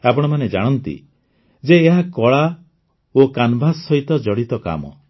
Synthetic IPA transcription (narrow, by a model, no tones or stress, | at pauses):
apɔɽ̃ɔmaned͡ʒaɽ̃ɔnt̪ḭ | d͡ʒeːɦakɔɭa | okanbʱasːɔɦit̪ɔd͡ʒɔɽit̪ɔka̰mɔ̰